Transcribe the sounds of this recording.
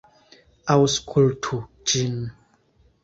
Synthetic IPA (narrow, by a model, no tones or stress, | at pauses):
awskʰultʰu | d͡ʒin